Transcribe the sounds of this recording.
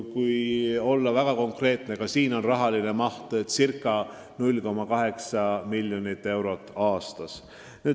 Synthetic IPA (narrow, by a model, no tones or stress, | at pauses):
kujo̞lːɑvæɡ̥ɑko̞ŋkre̞ːt̪ne̞kɑsiːno̞nrɑɦɑline̞mɑht̪et̪sirkːˑɑ | nulʲko̞mːɑkɑɦe̞ksɑmilʲːjonit̪ːˑe̞wɾo̞t̪ːˑɑːst̪ɑs | nyː